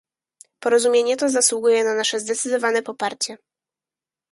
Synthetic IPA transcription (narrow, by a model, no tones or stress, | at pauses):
pɔɾɔzumʲjeɲɛt̪ɔzaswuɡujɛnanaʂɛzd̪ɛt̪sɘd̪ɔvanɛpɔpaɾt͡ɕɛ